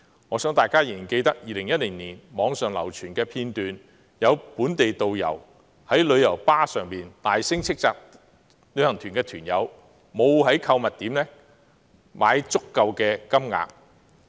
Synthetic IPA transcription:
ŋɔː˨˧sœ˨˥ŋt̪aː˨˩jkaː˥ji˨˩ke˧jt̪ɐ˥k̚jiː˨˧lɪ˨˩ŋjɐ˥t̚lɪ˨˩ŋniː˨˩nmɔː˨˧ŋsœː˨ŋlɐ̰˨˩wt͡ʃʰyː˨˩nkɛː˧pʰiː˧nt̪yː˨n | jɐ˨˧wpuː˨˥nt̪e˨jt̪o˨wjɐ̰˨˩w | hɐ˨˥jlɵ˨˧ɥjɐ˨˩wpaː˥sœː˨ŋpiː˨nt̪aː˨jsɪ˥ŋt͡sʰɪ˥k̚t͡saː˨˧k̚ | lɵ˨˧ɥhɐ˨˩ŋt̪ʰyː˨˩nkɛː˧t̪ʰyː˨˩njɐ̰˨˧w | mo˨˧whɐ˨˥jkʰɐ˧wmɐ˨t̚t̪iː˨˥mnlɛː˥ | maː˨˧jt͡sʊ˥kːɐ˨˧wkɛː˧kɐ˥mŋa̰ː˧k̚

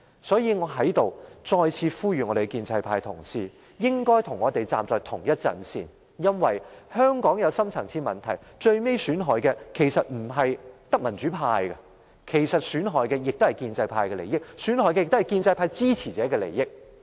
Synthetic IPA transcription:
sɔː˨˥jiː˨˧ŋɔː˨˧ɦɐ˨˥jt̪o˨wt͡sɔː˧jt͡sʰiː˧fuː˥jɥy˨ŋɔː˨˧ɾe˨˩ɡɛ˧kiː˧nt͡sɐ˧jpʰaː˧jt̪ʰʊ˨˩ŋsiː˥ | jɪ˥ŋkɔː˥jt̪ʰʊ˨˩ŋːɔː˨˧t̪e˨jt͡sa̰ː˨mt͡sɔː˨˩jt̪ʰʊ˨˩ŋjɐ˥t̚t͡sɐ̰˨˩nsḭː˨n | jɐ˥nwɐ˨jhœː˥ŋkɔː˨˥ŋjɐ˨˧wsɐ˥mt͡sʰɐ˨˩ŋt͡sʰiː˧˥mɐ˨˩nt̪ʰɐ˨˩j | t͡ʃɵ˧ɥme˥jsyː˨˥nɦɔː˨jkɛː˧kʰe˨˩jsɐ˨t̚m̩˨˩ɦɐ˨jt̪ɐ˥k̚mɐ˨˩nt͡ʃy˨˥pʰaː˧jkɐ˧ | kʰe˨˩jsɐ˨t̚syː˨˥nɦɔː˨˩jkɛ˧jɪ˨k̚t̪o˥hɐ˨˩jkiː˧nt͡sɐ˧jpʰaː˧jkɛ˧le˨˩jɪ˥k̚syː˨˥nɦɔː˨˧jkɛ˧jɪ˨k̚t̪hɐ˨˩jkiː˧nt͡sɐ˧jpʰaː˧jt͡siː˥t͡sʰiː˨˩t͡sɛː˨˥kɛː˧lḛ˨˩jːɪ˥k̚

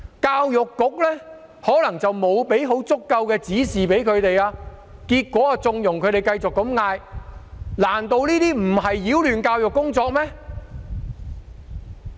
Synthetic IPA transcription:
kaː˧wjʊ˨kːʊ˨˥k̚lɛː˥ | hɔː˨˥lɐ˨˩ŋt͡sɐ˨wmo˨˧wpe˨˥jɦo˨˥wt͡sʊ˥kːɐ˧wkɛː˧t͡siː˨˥siː˨˩pe˨˥jkʰɵ˨˧ɥt̪e˨jaː˧ | kiː˧t̚kʷɔː˨˥a˧t͡sʊ˧ŋjʊ˨˩ŋkʰɵ˨˧ɥɾe˨jkɐ˧jt͡sʊ˨kːɐ˧˥mŋaː˧j | laː˨˩nt̪o˧wniː˥t̪iː˥m̩˨˩ɦɐ˨jːiː˨˥wlyː˨nkaː˧wjʊ˨kːʊ˥ŋt͡sɔː˧k̚mɛ˥

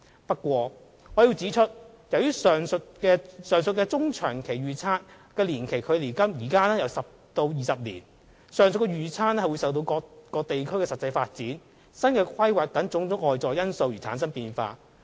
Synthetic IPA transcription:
pɐ˥t̚kʷːɔː˧ | ŋɔː˨˧jiː˧wt͡siː˨˥t͡ʃʰɵ˥t̚ | jɐ˨wjyː˥sœː˨ŋsɵ˧t̚kɛː˧sœː˨˩ŋsɵ˧t̚kɛː˧t͡sʊ˥ŋt͡ʃʰœː˨˩ŋkʰe˨˩jɥyː˨t͡sʰaː˥n | kɛː˧liː˨˩nkʰe˨˩jkʰɵ˨˧ɥliː˨˩kɐ˥mjiː˨˩kaː˥nɛː˥jɐ˧wsɐ˨p̚ | t̪o˧wjiː˨˩sɐ˨p̚liː˨˩n | sœː˨˩ŋs̬ɵ˨t̚kɛ˧ɥyː˨˩t͡sʰaː˥nɛ˥ɐ˨wu˨˧jsɐ˨wt̪o˧wkɔː˧kɔː˧t̪e˨jkʰɵ˥ɥkɛː˧sɐ˨t̚t͡sɐ˧jfaː˧t̚t͡siː˨˥n | sɐ˥nkɛː˧kʰɐ˥jwaː˨k̚t̪ɐ˨˥ŋt͡sʊ˨˥ŋt͡sʊ˨˥ŋʔɔː˨jt͡sɔː˨jɐ˥nso˧wjyː˨˩t͡sʰa̰ː˨˥nsɐ˥npiː˧nfa̰ː˧

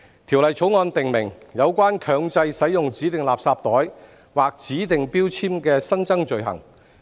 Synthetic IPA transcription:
t̪ʰiː˨˩wlɐ˨˩jt͡sʰo˨˥wŋɔː˧nt̪ɪ˨ŋmɪ˨˩ŋjɐ˨˧wkʷwaː˥nkʰœː˨˧ŋt͡sɐ˧jsɐ˨˥jjʊ˨ŋt͡siː˨˥t̪ɪ˨˩ŋlaː˨p̚saː˧p̚t̪ɔː˨˥j | waː˨˩k̚t͡siː˨˥t̪ɪ˨ŋpiː˥wt͡sʰiː˥mkɛː˧sɐ˥nt͡sɐ˥ŋt͡ʃɵ˨ɥɦɐ̰˨˩ŋ

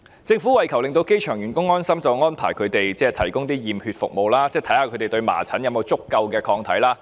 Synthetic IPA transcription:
t͡sɪ˧ŋfu˨˥wɐ˨jkʰɐ˨˩wlɪ˨ŋt̪o˧wke˥jt͡ʃʰœː˨˩ŋɥyː˨˩nkʊ˥ŋːɔː˥nsɐ˥mt͡sɐ˨wŋɔː˥npʰaː˨˩jkʰɵ˨˧t̪e˨jt͡sɛː˥t̪ʰɐ˨˩jkʊ˥ŋt̪iː˥jiː˨˩mhyː˧t̚fʊ̰˨k̚mo˨wlaː˥t͡sɛː˥t̪ʰɐ˨˥jhaː˧kʰɵ˨˧˥t̪e˨jt̪ɵ˧ɥma̰ː˨˩t͡sʰɐ˨˥njɐ˧mo˨˧wt͡sʊ˥kːɐ˧wkɛː˧kʰɔː˧ŋt̪ʰɐ˨˥jlaː˥

